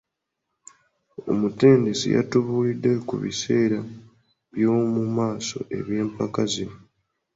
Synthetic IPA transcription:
o̞̰mute̞ːnde̞sḭja̰tuβuːlidːekṵβḭse̞ːɾa | βjo̞ːmumaːso̞̰ʔe̞̰βje̞ːmpakazi

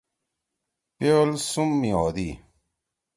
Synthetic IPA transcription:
pelsumːiɔːd̪i

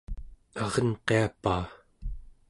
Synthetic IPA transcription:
ɑʁʌnqeapaː

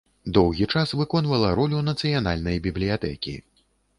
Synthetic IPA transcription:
d̪ɔwɣʲit͡ʂasvɨkɔnvɐlˠɐɾɔlʲunɐt̪sɨjanalʲnɐjbʲiblʲijat̪ɛkʲḭ

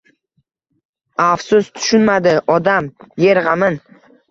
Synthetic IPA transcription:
afsʊst̪ʰʊ̥ʃʊnmad̪ɪʔɒd̪amje̞ɾʁamɪn

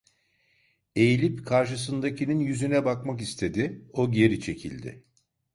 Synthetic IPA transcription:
e̞jilʲipkʰaɾʃ̬ɯs̬ɯnd̪acʰininjyzynɛbakmakist̪ʰe̞d̪ɪoɟe̞ɾit͡ʃʰe̞cʰḭlʲd̪ɪ̰

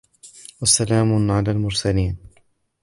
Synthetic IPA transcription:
wasalaːmʊʕalaːlmʊɾˤsaliːn

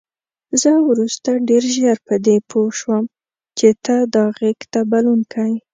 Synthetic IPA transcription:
zəwɾust̪aɖeɾʒaɾpəd̪epʰoʃwəm | t͡ʃet̪əd̪ɑɣekt̪abalunkʰəj

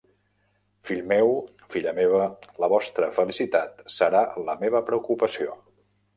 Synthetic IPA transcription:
fiʎmɛw | fiʎəmeβ̞ələβɔst̪ɾəfəlisit̪at̪səɾaləmeβ̞əpɾəukupəsio

